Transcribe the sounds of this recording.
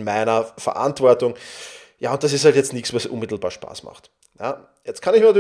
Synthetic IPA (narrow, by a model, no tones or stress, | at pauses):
nmaɪnɐfɐ̰ʔa̰ntv̥ɔɐtʊŋ | jaːʊnt̚d̥as̬ɪsthaltjɛt͡stnɪçksvasʔʊ̰nmɪtl̩ba̰ːɐʃpa̰ːsma̰χt | ja̰ː | jɛt͡stkʰanɪçmind